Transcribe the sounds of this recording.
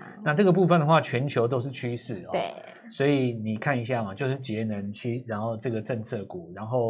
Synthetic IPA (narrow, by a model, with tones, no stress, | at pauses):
na˥˧ʈ͡ʂɤ˥˩ɡə˩p̬u˥˧fə˨nd̪ə˨xwa˥˨˩t͡ɕʰɥɛ˧˥nt͡ɕʰjo˧ʊt̪o˥ʊʂ̬ɻ̩˥˨t͡ɕʰy˦˥ʂɻ̩˥˩ɔ˧˨˦ | swɔ˧˥i˨˩ni˨˩kʰa˥˩ni˧˦ɕ̬ja˥˩ma˨˩t͡ɕjo˥˧ʊʂɻ̩˥˩t͡ɕjɛ˨˦nə˨˦nt͡ɕʰy˥ɻa˧˥nxo˥˧ʊʈ͡ʂɤ˥˩ɡə˩ʈ͡ʂə˥˧ŋt͡sʰɤ˥˩ku˨˩ɻa˧˦nxo˥˩ʊ